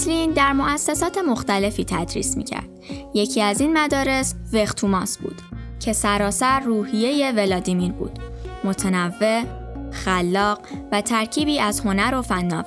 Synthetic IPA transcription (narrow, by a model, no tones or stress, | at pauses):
lind̪æɾmo̞ʔæsːesɒːt̪ʰe̞mo̞xt̪æle̞fiːt̪ʰæd̪ɾḭːsmḭːcʰæ̰ɾd̪̥je̞cʰiːæzinmæd̪ɒːɾe̞sve̞xt̪ʰuːmɒːsbṵːd̪̥cʰe̞sæɾɒːsæɾːuːhije̞je̞ve̞lɒːd̪imiɾbṵːd̪̥mo̞t̪ʰenævːe̞ | xælːɒːɢvæt̪ʰæɾcʰiːbiːæzho̞næɾo̞fænːɒːv